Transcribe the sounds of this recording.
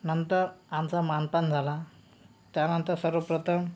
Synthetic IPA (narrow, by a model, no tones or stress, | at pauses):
nənt̪əɾamt͡samanpand͡zʱala | t̪janənt̪əɾsəɾʋəpɾət̪ʰəm